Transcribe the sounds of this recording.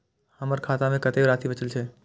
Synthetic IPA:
həməɾkʰaːt̪amẽkɐt̪ebɾaːt̪ʰibət͡ʃəlt͡ʃʰeː

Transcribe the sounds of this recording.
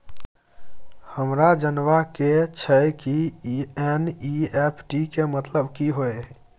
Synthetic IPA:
həmɾad͡ʒənʋaket͡ʃʰəjkiɛniepʰʈikemət̪ləbkiɦoe

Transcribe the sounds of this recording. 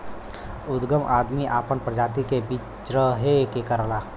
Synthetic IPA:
ʊd̪ɡəmʔaːd̪miʔaːpənpɾəd͡ʒaːt̪̬ikebi | t͡ʃɾəɦekekəɾlaː

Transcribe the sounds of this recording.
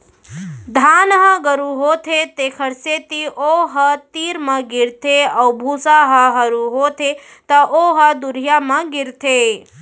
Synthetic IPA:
d̪ʱanɦəɡəɾuɦot̪ʰet̪ekʰəɾset̪iʔoɦət̪iɾməɡiɾt̪ʰeaubʱusaɦəɦəɾuɦot̪ʰe | t̪əʔoɦəd̪uɾjaməɡiɾt̪ʰe

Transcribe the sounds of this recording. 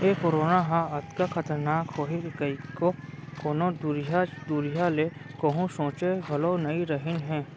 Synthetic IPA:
eːkoɾoːnaɦãɐd̪kakʰɐt̪əɾnaːkhoːɦekəikokoːnod̪ɾjad̪uɾijalekoɦũsõːt͡ʃebʱɐlonɐiɾəɦɪnɦɛ̃ː

